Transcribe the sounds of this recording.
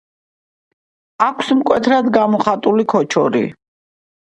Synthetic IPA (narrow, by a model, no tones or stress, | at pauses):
akʷʰsmkʼwɛt̪ʰɾad̪ɡamɔχat̪ʼulikʰɔt͡ʃʰɔɾḭ